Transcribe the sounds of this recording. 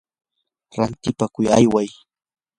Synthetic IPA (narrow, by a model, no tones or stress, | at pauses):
ɾant̪ɪpakʊjajwaj